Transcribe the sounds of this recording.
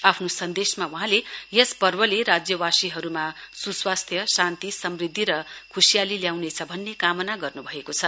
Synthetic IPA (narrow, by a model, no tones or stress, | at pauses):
apʰnosʌnd̪esmawʌɦãlejʌspʌrbʌleɾad͡zjʌwasiɦʌɾumasuswast̪ʰjʌsant̪isʌmrid̪ʱːiɾʌkʰusijaliljawnet͡sʰʌbʱʌnːekamʌnaɡʌrnubʱʌekot͡sʰʌ